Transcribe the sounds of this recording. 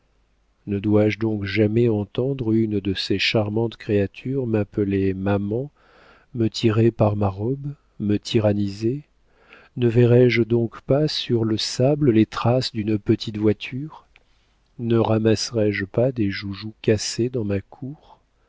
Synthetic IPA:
nəd̪waʒd̪ɔ̃kʒamɛɑ̃t̪ɑ̃d̪ʁynd̪əseʃaʁmɑ̃t̪kχeat̪ʰyʁmapəlemamɑ̃ | mət̪ʰiʁepaʁmaʁɔb | mət̪ʰiʁanize | nəvɛʁɛʒd̪ɔ̃kpasyʁləsabləlet̪χasd̪ynpət̪ʰit̪vwat̪ʰyʁ | nəʁamasʁɛʒpad̪eʒuʒukased̪ɑ̃makʰuʁ

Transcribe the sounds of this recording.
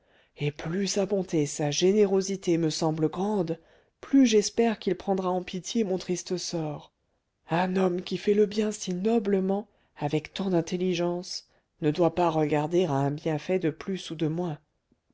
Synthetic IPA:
eplysabɔ̃t̪esaʒeneʁozit̪eməsɑ̃bləɡʁɑ̃d̪ | plyʒɛspɛʁkilpχɑ̃d̪ʁaɑ̃pit̪jemɔ̃t̪χist̪əsɔːʁ | ɛ̃nɔmkʲifɛləbjɛ̃sinɔbləmɑ̃ | avɛkt̪ɑ̃d̪ɛ̃t̪eliʒɑ̃s | nəd̪wapaʁəɡaʁd̪eʁaɛ̃bjɛ̃fɛd̪əplysud̪əmwɛ̃

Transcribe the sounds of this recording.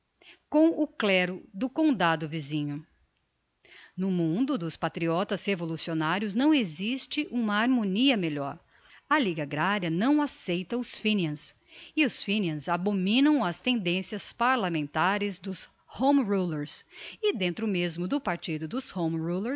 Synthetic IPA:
kõw̃ʊklɛɾʊd̪ʊkõd̪ad̪ʊvizĩɲʊ | nʊmũnd̪ʊd̪ʊspat̪ɾiɔt̪ɐshevolusionaɾjʊznɐ̃w̃ezist͡ʃɪʔũmɐaɾmõniɐmeʎɔɾ | ɐliɡɐaɡɾaɾɐnɐ̃w̃asejt̪ɐ̃ʊsfĩniɐ̃s | ɪʊsfĩniɐ̃zabomĩnɐ̃w̃ɐst̪ẽnd̪ẽsiɐspaɾlamẽnt̪aɾɪzd̪ʊs | hõw̃mɾuleɾsɪd̪ẽnt̪ɾʊmezmʊd̪ʊpaɾt͡ʃid̪ʊd̪ʊshõw̃mɾuleɾs

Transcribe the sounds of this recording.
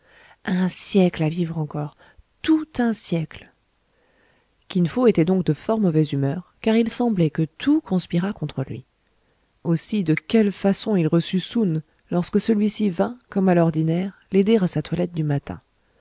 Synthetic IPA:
ɛ̃sjɛklavivʁɑ̃kɔːʁ | t̪ut̪ɛ̃sjɛkl | kʲinfoet̪ɛd̪ɔ̃k̚d̪əfɔʁmɔvɛzymœʁkaʁilsɑ̃blɛkət̪ʰukɔ̃spiʁakɔ̃t̪χəlɥḭ | osid̪əkʲɛlfasɔ̃ilʁəsysun | lɔʁskəsəlɥisivɛ̃kɔmalɔʁd̪inɛʁled̪eʁasat̪walɛt̪̚d̪ymat̪ɛ̰̃

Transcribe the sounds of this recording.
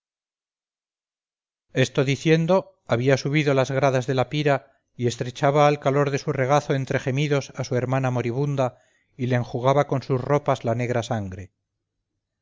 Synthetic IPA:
e̞st̪oðiθje̞nd̪o̞ | aβiasuβ̞iðolazɣɾaðazðe̞lapiɾa | ie̞st̪ɾe̞t͡ʃaβaːlkalo̞ɾðe̞sure̞ɣ̞aθoe̞nt̪ɾe̞χe̞miðo̞sasue̞ɾmanamo̞ɾiβ̞und̪a | ileːŋxuɣaβako̞nsusro̞pazlane̞ɣ̞ɾasaŋɡɾe

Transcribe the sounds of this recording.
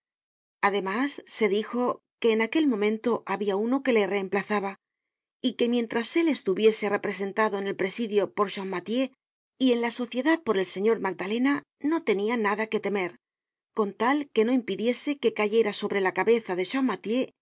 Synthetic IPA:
aðe̞masːe̞ðixo̞ | ke̞ːnake̞lmõ̞mẽnt̪o̞ʔaβiauno̞ke̞le̞re̞ːmplaθaβa | ike̞mje̞nt̪ɾase̞le̞st̪uβje̞sere̞pɾe̞se̞nt̪aðo̞ene̞lpɾe̞siðjo̞po̞ɾʃamːat̪je̞ | ie̞nlaso̞θje̞ðað̚po̞ɾe̞lse̞ɲo̞ɾmaɡ̚d̪ale̞na | no̞t̪e̞nianaðake̞t̪e̞me̞ɾ | ko̞nt̪alke̞no̞impiðje̞se̞ke̞kaʝe̞ɾaso̞βɾe̞lakaβe̞θaðe̞ʃammːat̪je̞

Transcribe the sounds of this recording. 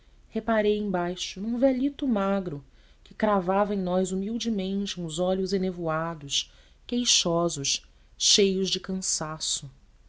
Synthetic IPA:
hepaɾejẽj̃bajʃʊnũvɛʎit̪ʊmaɡɾʊ | kɪkɾavavɐẽj̃nɔjzumiwd͡ʒɪmẽnt͡ʃɪũzɔʎʊzenevoad̪ʊʃ | kejʃɔzʊʃ | ʃejʊzd͡ʒɪkɐ̃sasʊ

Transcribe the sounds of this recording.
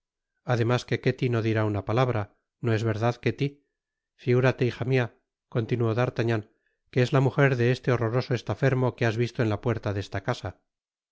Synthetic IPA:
aðe̞maske̞ke̞t̪ino̞ðiɾaunapalaβɾa | no̞ezβe̞ɾðaðket̪i | fiɣuɾat̪e̞ixamia | ko̞nt̪inuoðaɾt̪aɲan | keezlamuxe̞ɾðe̞est̪e̞o̞ro̞ɾo̞so̞e̞st̪afe̞ɾmo̞keazβist̪oe̞nlapwe̞ɾt̪aðe̞st̪akasa

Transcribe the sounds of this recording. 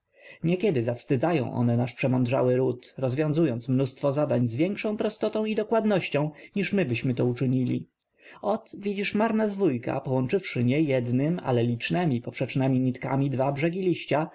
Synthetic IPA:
ɲɛkʲɛd̪ɘzafst̪ɘd̪zajɔ̰̃w̃ʔɔ̰nɛnaʂpʂɛmɔnd̪ʐa̰wɘɾut̪ɾɔzvʲjɔ̃w̃zujɔnt̪smnust̪fɔzad̪aɲzvʲjɛŋkʂɔ̃w̃pɾɔst̪ɔt̪ɔ̃w̃id̪ɔkwad̪nɔɕt͡ɕɔ̃w̃ɲiʂmɘbɘɕmɘt̪ɔut͡ʂɘɲilʲḭ | ɔt̪vʲid͡ʑiʂmaɾnazvujka̰pɔwɔnt͡ʂɘfʂɘɲɛjɛd̪nɘma̰lɛlʲit͡ʂnɛmʲipɔpʂɛt͡ʂnɛmʲiɲit̪ka̰mʲid̪vabʐɛɡʲilʲiɕt͡ɕa

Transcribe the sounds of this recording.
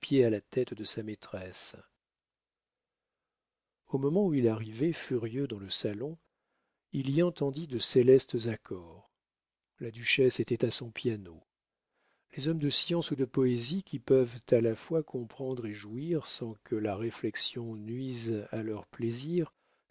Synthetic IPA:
pjealat̪ɛt̪d̪əsamet̪χɛs | omɔmɑ̃uilaʁivɛfyʁjød̪ɑ̃ləsalɔ̃ | iliɑ̃t̪ɑ̃d̪id̪əselɛst̪zakʰɔʁ | lad̪yʃɛset̪ɛt̪asɔ̃pjano | lezɔmd̪əsjɑ̃sud̪əpɔezikʲipœvt̪alafwakʰɔ̃pχɑ̃d̪ʁeʒuiʁsɑ̃kʰəlaʁeflɛksjɔ̃nɥizalœʁpleziʁ

